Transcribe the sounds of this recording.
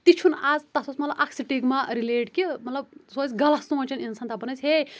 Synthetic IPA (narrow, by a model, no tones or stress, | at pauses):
t̪it͡ʃʰunad͡zt̪asosmɐt̪lɐbʔakʰsiʈiɡmaɾileʈkimɐt̪lɐb̚sozɡɐlast̪uõt͡ʃʰɐninsant̪abɐnɐt͡sʰɦe